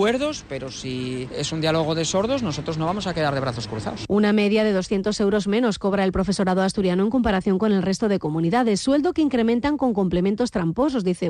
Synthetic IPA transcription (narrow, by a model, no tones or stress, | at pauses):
e̞ɾðospe̞ɾosiesund̪jaloɣ̞oðe̞so̞ɾðozno̞so̞t̪ɾozno̞βamo̞sake̞ðaɾðe̞βɾaθo̞skɾuθa̰osuname̞ðjaðe̞ðo̞sθjent̪o̞se̞wɾo̞zmẽ̞no̞sko̞βɾaelpɾo̞fe̞so̞ɾaðoast̪uɾjanoe̞ŋko̞mpaɾaθjo̞ŋko̞ne̞lre̞st̪oð̞e̞ko̞muniðaðesːwe̞ld̪okeiŋkɾe̞mẽ̞nt̪aŋko̞ŋko̞mple̞mẽnt̪o̞st̪ɾampo̞so̞zðiθe